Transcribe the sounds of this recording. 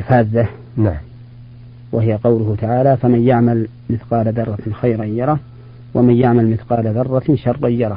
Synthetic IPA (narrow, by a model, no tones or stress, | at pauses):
lfaːzːa | naʕ | wahɪjaqɑwlʊhʊt̪aʕaːlafamanjaʕmal | mɪθqɑːlad̪ɑrˤːɑxajɾajjɑɾˤɑː | wʔamanjaʕmalmɪθqɑːlad̪ɑrˤːɑʃɑrˤːʔjjɑɾˤɑː